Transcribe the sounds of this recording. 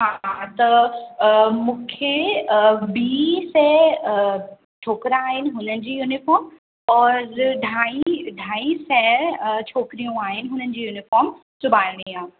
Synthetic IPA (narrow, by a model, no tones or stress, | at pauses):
ɦat̪ɐ | mũːkʰe | biːsɛ | t͡ɕʰoːkɾaaːɦɪnɪ̆ɦʊnənɪ̆d͡ʑiːjunɪfɔːɾm | ɔːɾɖʱaːiɖʱaːisɛt͡ɕʰoːkɾijũaːɦɪnɪ̆ɦʊnənɪd͡ʑiːjuːnɪfɔːɾm | sʊbʱaːjɽ̃iaː